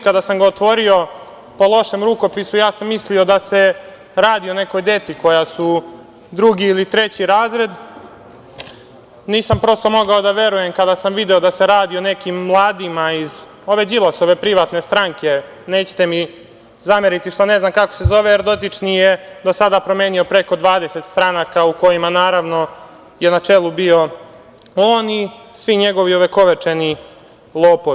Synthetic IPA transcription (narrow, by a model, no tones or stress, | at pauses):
kad̪asamɡaot̪ʋo̞ɾio̞ | po̞lˠo̞ʃe̞mɾuko̞pisujaːsamːislio̞d̪ase̞ | ɾaːd̪io̞ne̞ko̞jd̪e̞t̪siko̞jasu | d̪ɾuɡiːlit̪ɾe̞t͡ɕiɾaːzɾe̞d̪ | niːsampɾo̞st̪o̞mo̞ɡao̞d̪aʋe̞ɾuje̞mkad̪asamʋid̪eo̞d̪ase̞ɾaːd̪ione̞kimːlˠaːd̪imaiz | o̞ʋe̞d͡ʑilaso̞ʋe̞pɾiʋaːt̪ne̞st̪ɾaŋke̞ | neːt͡ɕe̥t̪e̞mi | zameɾit̪iʃt̪ane̞znamkako̥sezo̞ʋeeɾd̪o̞t̪it͡ʂnijed̪o̞sad̪apɾome̞ːnio̞pɾe̞ko̞d̪ʋaːd̪e̞se̞t̪st̪ɾanaːkauko̞jimanaːɾaʋno̞ | je̞nat͡ʂelˠubio̞ | oːnisʋiɲe̞ɡo̞ʋioʋe̞ko̞ʋet͡ʂe̞ni | lˠoːpoi